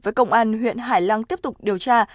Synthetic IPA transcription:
vəː˨˦jkə˧wŋ͡mʔaː˧nɦwḭ˧˨ənɦaː˧˩jla˧ŋt̪i˦˥əp̚t̪ʊ˨˩k͡p̚ɗi˨˩əwt͡ɕaː˧

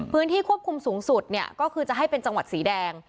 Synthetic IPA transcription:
pʰɯː˦˥nt̪ʰiː˥˩kʰu˥˩əp̚kʰu˧msuː˩˦ŋsu˨˩t̪̚ni˥˩ɐkɔː˥˩kʰɯː˧t͡ɕa˨˩ʔɦa˥˩jpe˧nt͡ɕa˧ŋwa˨˩t̪̚siː˩˦dɛː˧ŋ

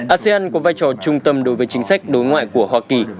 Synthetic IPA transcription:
ʔaː˧se˧aː˧nkɔ˨˦vaː˧jt͡ɕɔ˧˩t͡ɕʊ˧ŋ͡mt̪ə˧mɗo˨˦jvəː˨˦jt͡ɕï˨˦ŋ̟sa˦˥jk̟̚ɗo˨˦jŋwa̰ː˧˨jku˧˩əɦwaː˧ki˨˩

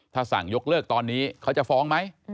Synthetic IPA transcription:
t̪ʰaː˥˩sa̰˨˩ŋjo˦˥k̚lɤː˥˩k̚t̪ɔː˧nːiː˦˥kʰa˦˥wt͡ɕa˨˩fɔː˦˥ŋma˦˥j

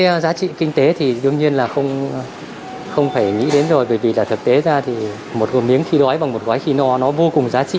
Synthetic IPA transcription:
zaː˨˦t͡ɕḭ˧˨kï˧ŋ̟t̪e˨˦t̪ʰi˨˩ɗɨ˨˧əŋɲi˧ənlaː˨˩xə˧wŋ͡m | xə˧wŋ͡mfaː˧˩jŋḭ˧˥ɗe˨˦nzo˨˩jɓəː˧˩jvi˨˩laː˨˩t̪ʰə˨˩t̚t̪e˨˦zaː˧t̪ʰi˨˩ | mo˨˩t̚ɣmi˨˦əŋxi˧ɗwɔ˨˦jɓa˨˩ŋŋ͡mmo˨˩t̚waː˨˦jxi˧nɔ˨˦nɔ˨˦vo˧kʊ˨˩ŋŋ͡mzaː˨˦t͡ɕḭ˧˨

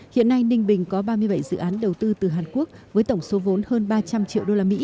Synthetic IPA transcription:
hḭ˧˨ənːa˧jnï˧ŋ̟ɓï˨˩ŋ̟kɔ˨˦ɓaː˧mɨ˧əjɓə˧˩jzɨ̰˧˨ʔaː˨˦nɗə˨˩wt̪ɨ˧t̪ɨ˨˩ɦaː˨˩nku˦˥ək̚vəː˨˦jt̪ə˧˩wŋ͡mso˨˦vo˨˦nhəː˧nɓaː˧t͡ɕa˧mt͡ɕḭ˧˨əwɗo˧laː˧mḭ˧˥

